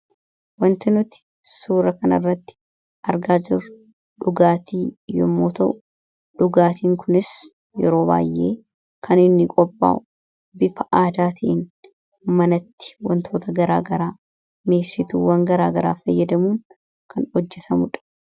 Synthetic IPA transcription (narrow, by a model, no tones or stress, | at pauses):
wɐnt̪ɪnʊt̪ɪ̥ | suːɾɐkɐnɐ̰rːɐt̪ːɪ̥ | ʔɐɾɡaːd͡ʒɪr | ᶑʊɡaːt̪iːjɔ̰mːo̰ːt̪ɐʔʊ | ᶑʊɡaːt̪iːŋkʰʊnɪs | jɛɾo̞ːba̰ːjʔːeː | kʰɐnɪnːɪkʼɔpʼːa̰ːʔʊ | bɪfɐʔaːd̪aːt̪ʰiʔɪn | mɐnɐt̪ːɪ̥wɐ̰nt̪ʰo̞ːt̪ɐɡɐɾaːɡɐɾaː | meːsɪt̪ṵːwɐŋɡɐɾaːɡɐɾa̰ːfɐjːɐd̪ɐmuːŋ | kʰɐnhɔd͡ʒːɛt̪ʰɐmʊᶑɐ̥